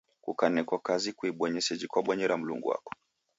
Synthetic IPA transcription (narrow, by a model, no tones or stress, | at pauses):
kukanɛkwakazikwiɓɔɲɛsɛd͡ʒikwaɓɔɲɛɾam̩lṵŋɡṵwa̰kɔ̥